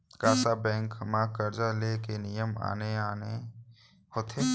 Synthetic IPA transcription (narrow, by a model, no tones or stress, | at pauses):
kaːsabɛ̃ːŋkmãːkːəɾd͡ʒaleːkenijəma̰ːneaːne | ɦoːt̪ʰeː